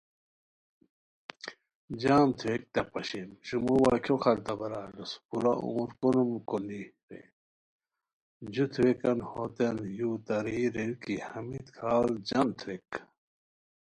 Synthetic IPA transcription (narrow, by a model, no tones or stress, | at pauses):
d͡ʑaːmt̪ʰwek̚t̪ɐpɐɕemɕumuwakʰokʰɐɾt̪ɐbɐɾaːluspuɾaṵ̃ːɾkonumkoli | ɾḛ | d͡ʑut̪ʰwekɐnhot̪enjuːt̪ɐɾiːɾekihɐmit̪kʰaːld͡ʑɐmt̪ʰwek